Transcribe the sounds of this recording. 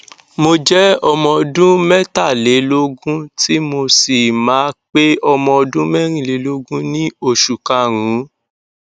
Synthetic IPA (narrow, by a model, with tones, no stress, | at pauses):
mo˧d͡ʒɛ˦ɔ˧mɔ̃˧ɔ˧dũ˦mɛ˦ta˦˨le˨˦lo˦ɡũ˦ti˦mo˧si˨mãː˨˦k͡pe˦ɔ˧mɔ̃˧ɔ˧dũ˦mɛ˦ɾ̃ĩ˦˨le˨˦lo˦ɡũ˦nĩ˦o˦˨ʃu˨ka˧˨ɾ̃ũ˨˦